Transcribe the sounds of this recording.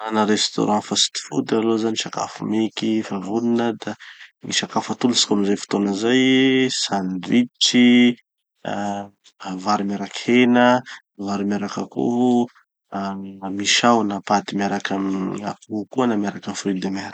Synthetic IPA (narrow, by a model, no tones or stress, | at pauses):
anaɾest̪o̰ɾãfasi̥t̪i̥fud̪alozaniʃaka̰fumekifavuninəd̪anḭʃakafət̪ulusi̥kamizajfu̥t̪onəzajsand̪wiʈ͡ʂi | vaɾimaɾakhenə | vaɾimaɾakakṵɦu | miʃawnapat̪imiaɾakama̰kukuanamjaɾakafɾid̪emeɾak